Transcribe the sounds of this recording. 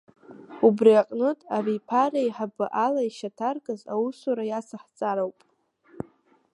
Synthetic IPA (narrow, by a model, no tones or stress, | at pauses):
ubriaqʼnɨtʼavipʰarajħabɨʔalaiʃatʰarkʼaza̰wusuɾajasaħt͡sʼaɾowpʼ